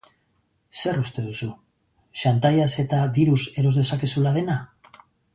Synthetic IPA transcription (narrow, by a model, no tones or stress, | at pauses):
se̞ɾust̪e̞ð̞usu | ʃant̪ajase̞t̪aβiɾuse̞ɾo̞zðe̞sake̞sulað̞e̞na